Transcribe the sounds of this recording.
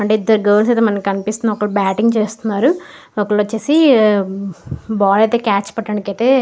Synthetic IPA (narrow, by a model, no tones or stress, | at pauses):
ɐɳʈeːid̪ːɐɾuɡɐːɾls̬ɐjt̪̬emɐnɐmkikɐnipist̪unːɐɔkɐɭubaːʈiŋɡt͡ʃeːst̪unːaːɾu | ɔkɐɭʋɐt͡ʃːeːsi | baːlɐjt̪eːkaːt͡ʃpɐʈːɐːɳikɐjt̪e̞ː